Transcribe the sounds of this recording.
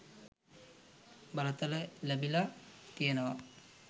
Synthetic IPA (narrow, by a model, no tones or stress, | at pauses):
balət̪ələlebilat̪ijənəʋa